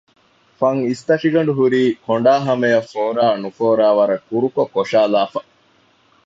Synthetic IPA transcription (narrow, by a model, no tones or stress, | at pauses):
fɐŋist̪ɐʂiɡɐɳ̆ɖuɦuɾiːkoɳ̆ɖaːɦɐmejɐfoːɾaːnufoːɾaːʋɐɾɐkːuɾukokːoʂaːlaːfɐ